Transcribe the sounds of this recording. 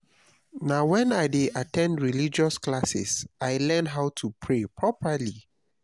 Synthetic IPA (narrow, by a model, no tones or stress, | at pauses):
nawɛ̃naɪdeʔatɛ̃ndɹilid͡ʒɔsklasɪ̰saɪlɛ̃nɦaʊtʰupʰɹepʰɹɔpʰəli